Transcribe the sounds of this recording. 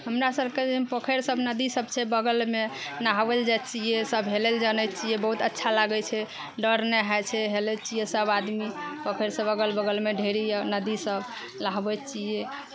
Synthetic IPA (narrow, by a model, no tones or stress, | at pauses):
ɦəmɾasəbked͡ʒpəkʰeɾsəbnəd̪isəbt͡ʃʰɛbəɡəlmenaɦʋəld͡ʒat̪t͡ʃiesəbɦeleld͡ʒanɛt̪̚t͡ʃiebəɦut̪ətːʃʰalaɡɛt͡ʃʰɛ | ɖəɾneɦat͡ʃʰɛɦelɛt͡ʃijesəbad̪mipəkʰeɾsəbəɡəlbəɡəlmeɖʱeɾinəd̪isəb | laɦbɛt̪t͡ʃie